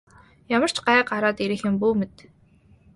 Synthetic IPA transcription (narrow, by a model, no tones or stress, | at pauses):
jamə̆r̥t͡ɕʰɢaɛqaɾaːt̪iɾɘ̆xɪ̆mpuːmit̪